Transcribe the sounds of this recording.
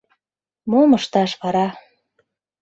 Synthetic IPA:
moməʃt̪ɑʃβɑɾɑ

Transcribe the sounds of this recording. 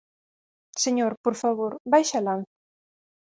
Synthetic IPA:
seɲoɾpoɾfaβoɾbajʃalan̟θ

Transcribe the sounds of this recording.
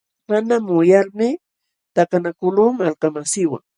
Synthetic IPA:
manamʊjaɾmɪ | t̪akanakʊluːmalkamasɪwa̰ŋ

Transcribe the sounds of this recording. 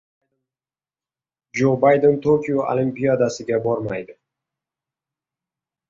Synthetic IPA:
d͡ʒobajd̪ent̪ʰokʲʰijoʔa̰limpijad̪asɪɡʲabɒɾmajd̪ɪ

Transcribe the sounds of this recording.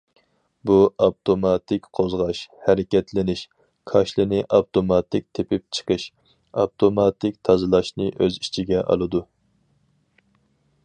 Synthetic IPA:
buɑp̚t̪ʰomɑt̪ʰɪkʲqʰozʁɑʃhæɾɪkʲɛt̪ʰlɪnɪʃ | kʰɑʃlˠɨnɨʔɑpt̪ʰomɑt̪ʰɪk̚ʲt̪ʰepɪp̚t͡ʃʰə̥qʰəʃ | ɑ̰pt̪ʰomɑt̪ʰɪk̚ʲt̪ʰɑzɨlˠɑʃnɨʔøzit͡ʃʰiɡʲɛʔɑ̰lˠɨd̪u

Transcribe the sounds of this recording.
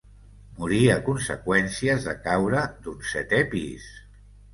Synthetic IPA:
muɾiakunsə̰kwɛnsiəzðəkawɾəd̪unsɛt̪ɛpḭs

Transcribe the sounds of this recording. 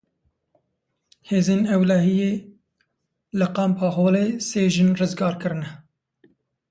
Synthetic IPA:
heːzeːnɛwlæɦijeː | lɨqɑːmpʰɑːɦoːleːseːʒɨnrɨzɡɑːɾkɨɾɨnɛ

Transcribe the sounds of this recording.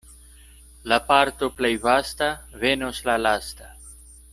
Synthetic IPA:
lapaɾt̪oplejvast̪avenoslalast̪a

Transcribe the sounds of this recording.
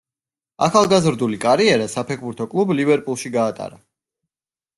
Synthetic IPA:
a̰χalˠɡazɾd̪ulikʼaɾiɛɾasapʰɛkʰbuɾt̪ʰɔkʼlˠublibɛɾpʼulˠʃiɡaːt̪ʼa̰ɾa

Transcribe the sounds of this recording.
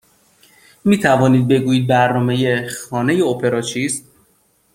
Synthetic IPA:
miːt̪ʰævɒːniːd̪̚be̞ɡuːjiːd̪̚bæɾnɒːme̞jexɒːne̞jeopʰe̞ɾɒːt͡ʃʰiːst̪

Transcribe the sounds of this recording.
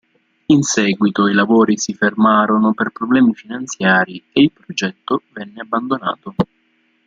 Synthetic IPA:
insɛːɡwit̪oilavoːɾisifermaːɾonoperpɾoblɛːmifinant̪sjaːɾieilpɾod͡ʒɛt̪ːovɛnːeabːand̪ona̰ːt̪o

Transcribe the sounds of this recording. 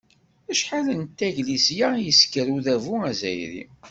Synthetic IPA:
æʃħalənt̪ːæʝlisjajəskəɾuðævuæzæ̰jɾḭ

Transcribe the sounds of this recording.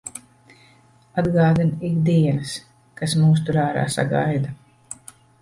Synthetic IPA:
ad̪ɡaːd̪inikd̪iɛnɨs | kasmuːs̬t̪uɾaːɾa̰ːsa̰ɡa̰jd̪a

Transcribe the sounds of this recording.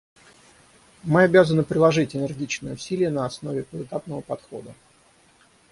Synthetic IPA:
mɨɐbʲazənɨpɾʲɪlˠɐʐɨtʲɪnʲɪrɡʲit͡ɕnəjəʊsʲilʲɪjənəɐsno̞vʲɪpəɨt̪apnəvəpɐt̪xo̞̰d̪ə

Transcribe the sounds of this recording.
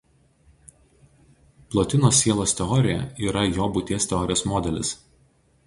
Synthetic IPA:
plˠoːt̪ʲɪnoːsʲːiɛlˠoːst̪ʲɛɔɾʲɪjɛ̰iːɾɐjoːbʊt̪ʲiːst̪ʲɛɔɾʲɪjoːsmɔːd̪ʲɛlʲɪ̰s

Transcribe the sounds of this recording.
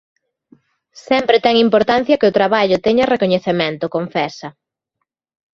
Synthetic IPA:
sɛmpɾɪt̪ɛŋimpoɾt̪an̟θjɐkɪʊt̪ɾaβaʎʊt̪ɛɲɐrekoɲeθemɛnt̪ʊkoɱfɛsɐ

